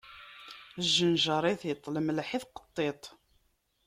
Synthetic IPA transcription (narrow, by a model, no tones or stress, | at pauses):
əʒːənʒɑɾˤiθjət̪ˤːləmlħiθqə̥t̪ˤːet̪ˤ